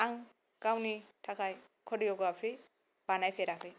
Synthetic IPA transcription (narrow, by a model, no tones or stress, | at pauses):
aŋ | kawnitʰakʰaj | kʰɔdijɔɡɔapʰɾi | b̥anajpʰeɾakʰlij